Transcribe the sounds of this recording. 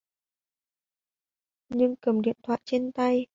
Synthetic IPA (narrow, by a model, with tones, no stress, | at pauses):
ɲɨ˧ŋkə˨˩mɗḭ˧˨ənt̪ʰwa̰ː˧˨jt͡ɕe˧nt̪a˧j